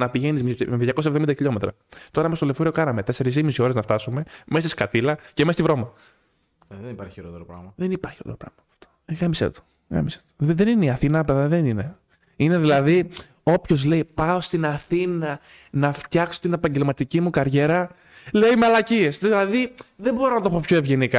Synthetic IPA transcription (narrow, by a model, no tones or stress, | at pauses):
nɐpiʝe̞nizmmeðʝɐko̞sɐevðomind̪ɐçiʎo̞me̞t̪ɾɐ̰ | t̪o̞ɾɐmest̪olefoɾio̞kɐnɐme̞t̪e̞se̞ɾizimisio̞ɾeznɐft̪ɐsume̞me̞st̪iskɐt̪ilɐcemest̪ivɾo̞mɐ | ðenipɐɾçi̥çiɾo̞t̪eɾopɾɐ̰ɣmɐðe̞nipɐɾçiot̪eɾopɾɐ̰ɣmɐpɐ̥ft̪o̥ɣɐmisḛt̪u̥ | ɣɐ̰mise̥t̪u̥iðenineiɐθinɐpeðɐðenine̞ | ine̞ðilɐði | o̞pço̞zle̞ipɐost̪inɐθinɐ | nɐft̪çɐkso̞̥t̪ine̞pɐɲɟe̞lmɐt̪icimukɐɾʝe̞ɾɐ | leimeɐlɐcie̞sðilɐðiðembo̞ɾonɐt̪opo̞pçoe̞vʝe̞nikɐ